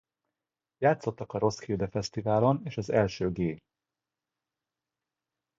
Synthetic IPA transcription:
jaːt̪so̞t̪ːɒkɒɾo̞sxild̪ɛfɛst̪ivaːlo̞neːʃɒzɛlʃøːɡeː

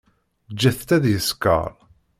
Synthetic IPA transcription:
d͡ʒːæθt̪æðjəskə̰ɾˤ

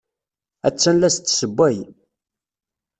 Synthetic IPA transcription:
æ̰t͡sːænlæst̪ːsəbʷːæj

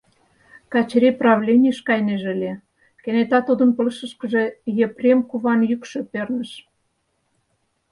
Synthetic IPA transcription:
kɑt͡ɕɾʲeprɑβlʲenʲiʃkɑjneʒəlʲe | kenet̪ɑt̪ud̪ə̆npə̆lʃə̆ʃkə̆ʒe̽jeprʲemkuβɑnjykʃø̆pørnə̆ʃ

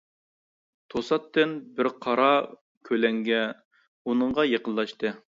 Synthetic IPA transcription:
t̪ʰosɑt̪ːɨnbɪɾqʰɑɾɑ | kʲʰølɛŋɡʲɛ | unɨɴʁɑjeqənlˠlˠɑʃt̪ɨ

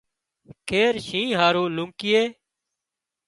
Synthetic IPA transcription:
kʰeːɾʃĩːɦaːɾuːlʊ̃ŋkɪːeː

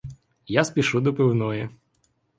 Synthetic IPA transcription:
jaspʲiʃud̪ɔpɪwnɔji

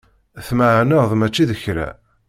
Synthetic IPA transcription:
θmaʕanəðˤmæt͡ʃːiðəçɾæ̰

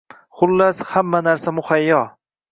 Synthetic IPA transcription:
χʊlːashamːanaɾsamʊhajːɒ

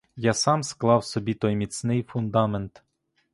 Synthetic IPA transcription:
jasɑmsklˠɑwsɔbʲit̪ɔjmʲit͡s̪ʲnɪjfʊnd̪ɑment̪

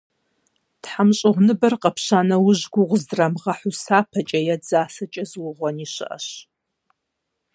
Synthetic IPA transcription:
tħamɕʼɪʁʷnɨbɐrqɐpɕaːnɐwʊʑɡʷʊʁʷʊzdrɐmʁɐħʊsaːpʰɐt͡ʃʼɐjɛd͡zaːsɐt͡ʃʼɐzwʊʁʷɔniːɕɨ̰ʔɐ̰ɕ

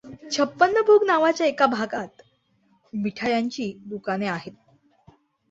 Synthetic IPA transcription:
t͡ɕʰəpːənːəbʱuːɡnaʋat͡ɕjaekabʱaɡat̪ | miʈʰajaɲt͡ɕiːd̪ukaneaɦet̪̚

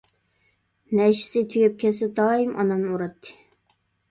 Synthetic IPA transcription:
nɛʃɪ̥sɪt̪ʰyjɛp̚kʲʰɛsɪd̪ɑːimʔɑ̰nɑmnɨuɾɑt̪ʰːɨ̥

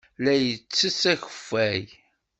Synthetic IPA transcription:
læjət͡sːəsæçə̥fːæj

